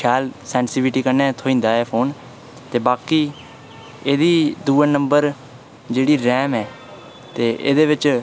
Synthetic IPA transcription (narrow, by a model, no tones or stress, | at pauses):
ʃʰɛːlsɛ̃ːnsɪʋɪʈiːkəɾnɛ̃ːt̪ʰoːĩːnd̪aːɛːpʰoːn | t̪eːbaːkiː | eːd̪iːd̪uːãːnəmbəɾ | d͡ʒeːɽiːɾɛːmɛː | t̪eːʔḛːd̪eːʋɪt͡ʃ